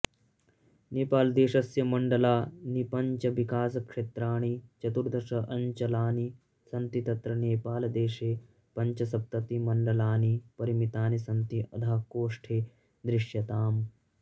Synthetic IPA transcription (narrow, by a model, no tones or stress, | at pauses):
neːpaːld̪eːʃɐsjɐmɐɳɖɐlaːnipɐɲt͡ʃɐʋikaːsɐkʂeːt̪ɾaːɳ̃it͡ʃɐt̪uɾd̪ɐɾʃɐʔɐɲt͡ʃɐlaːni | sɐnt̪it̪ɐt̪ɾɐneːpaːlɐd̪eːʃeː | pɐɲt͡ʃɐsɐp̚t̪ɐt̪imɐɳɖɐlaːnipɐɾimit̪aːnisɐnt̪iʔɐ̰d̪ʱaːkoːʂʈʰeː | d̪ɾɪʂjɐt̪aːm